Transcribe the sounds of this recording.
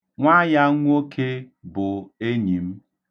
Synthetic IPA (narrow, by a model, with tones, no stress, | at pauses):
ŋʷa˦ja˦ŋʷu˦o˦kʰe˦bʊ˨e˦ɲi˨m̩˦